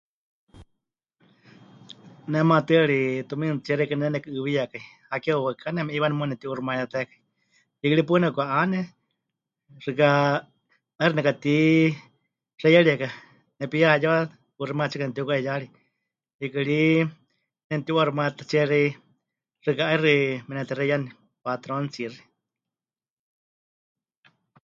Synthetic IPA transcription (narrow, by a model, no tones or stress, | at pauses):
nɛmat̪ɨaɺit̪umint͡ʃiɛɾɛkanɛnɛkɨɨβijakaihakɛuwakʰanɛmɛʔiβanɛmunɛt̪iʔurumajat̪ɛkai | ikɨɺipunɛkʷaʔanɛ | rɨka | əɾinɛkat̪i | rɛjaɺiɛka | nɛpijajaa | purimat͡ʃikanɛt̪iukaɛjaɺi | ikɨɺi | nɛnt̪iuaɾimat̪at͡sɛɾi | rɨkaairimɛnɛt̪irɛjani | pat̪ɾont͡siri